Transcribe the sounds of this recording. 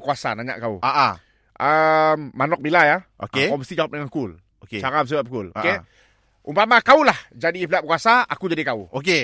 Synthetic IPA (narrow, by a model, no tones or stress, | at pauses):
kuasa̰naɲa̰ʔkaṵaʔa | ʔəmːanɔk̚bilajao̰ekɔmbəst̪id͡ʒawap̚dəŋankʊl | oket͡ʃaɾams̬ibap̚kʊloo̰ke | umpamakaulahd͡ʒadip̬liaʔp̚kuasaakud͡ʒadikauoke